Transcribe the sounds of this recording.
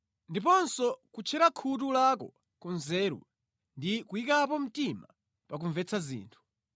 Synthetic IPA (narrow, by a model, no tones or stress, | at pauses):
ndip̬ɔnsɔkut͡ʃʰɛɾakʰut̬ulakɔ | kɔnzɛːɾṵ | ndikuikapɔm̩tima | pak̬uɱvɛt͡sʰazḭːntʰu̥